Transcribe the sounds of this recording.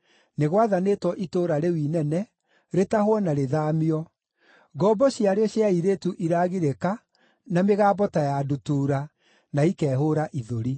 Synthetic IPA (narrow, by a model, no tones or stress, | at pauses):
neɣwaðanetwɔʔitoːɾaɾewiːnɛnɛ | ɾetahwɔnaɾeðaːmiɔ | ɡɔbɔɕjaɾeɔɕjaiɾetuʔiɾaːɣiɾeka | nameɣaːbɔtajadutuːɾa | naikɛːɦoːɾaʔiðoɾi